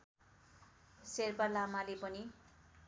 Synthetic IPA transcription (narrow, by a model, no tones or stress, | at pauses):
serpalamalepʌni